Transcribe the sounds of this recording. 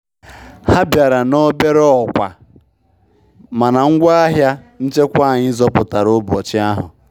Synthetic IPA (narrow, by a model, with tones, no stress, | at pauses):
ha˦bja˨ɾa˨nɔ˦be˦ɾɔ˦˨kʷa̰˨ | ma˨na˨ŋ̩˦ɡʷa˦a˦ɦja˦ | n̩˦t͡ʃe˦kʷa˦˨ɲɪ˦zɔ˦pʊ˨ta˨ɾo˦bɔ˨t͡ʃɪ˦a˦ɦʊ̰˨